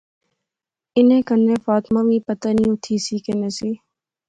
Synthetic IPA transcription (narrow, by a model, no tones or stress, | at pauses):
ɪnẽːkənːeːfaːt̪mãːʋĩːpət̪aːniːũːt̪ʰiːsiːkeneːsiː